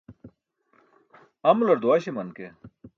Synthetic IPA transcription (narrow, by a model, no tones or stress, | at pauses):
ɐmlɐɾd̪waːɕemɐnke